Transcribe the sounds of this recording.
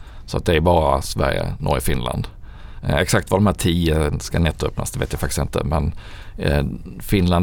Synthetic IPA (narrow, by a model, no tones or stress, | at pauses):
sɔat̪̚d̪ɛæɾbɑːɾasvæ̰ɾjə̰nʔɔ̰ːɾfɪnla̰nd̪ | ɛksakt̪vad̪ɔmhæːtʰiːəskanɛt̪ːœpnasd̪ɛvḛːt̪jafakt̪ɪ̥st̪ɪnt̪ə̰mɛn | fɪnlan